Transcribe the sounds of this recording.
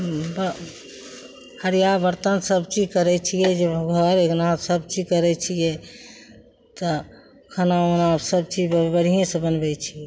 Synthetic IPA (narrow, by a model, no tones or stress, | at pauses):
bə | həɾijabəɾt̪ənsəbt͡ʃid͡ʒkəɾɛt͡ʃʰijɛd͡ʒeɡʱəɾeɡnasəbt͡ʃid͡ʒkəɾɛt͡ʃʰijɛ | t̪ɔ | kʰənaonasəbt͡ʃid͡ʒbbəɽ̤ʱijẽsə̃bənbɛt͡ʃʰiɛ